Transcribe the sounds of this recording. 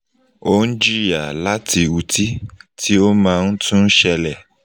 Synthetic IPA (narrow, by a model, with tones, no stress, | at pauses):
o˦n̩˦d͡ʒi˦ja˨la˦ti˧u˨ti˦tʰi˦o˦mãː˦˧n̩˦tʰũ˦n̩˦ʃɛ˧lɛ˨